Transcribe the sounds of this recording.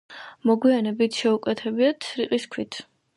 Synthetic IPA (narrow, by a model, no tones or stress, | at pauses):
mɔɡwianɛbit̪ʰʃɛukʼwɛt̪ʰɛbiat̪sʰɾiqʼiskʰwit̪ʰ